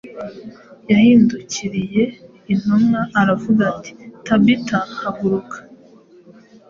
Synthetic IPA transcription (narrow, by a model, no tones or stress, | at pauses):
jahiːnduciɾije̞ | in̥humŋaːɾavuɡati̥tabitahaɡuɾukʰḁ